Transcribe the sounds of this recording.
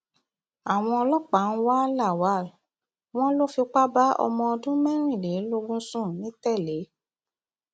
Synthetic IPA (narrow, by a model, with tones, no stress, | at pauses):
a˨w̃ɔ̃˧ɔ˧lɔ˦k͡pa˨˦n̩˦wa˦la˦˨wa˨˦˨ | w̃ɔ̃˦lo˦fi˧k͡pa˦ba˦ɔ̰˧mɔ̃˧ɔ˧dũ˦mɛ̃˦ɾ̃ĩ˦˨le˨˦lo˧ɡ͡bũ˦sũ˦˨nĩ˨˦tɛ˦˨le˨˦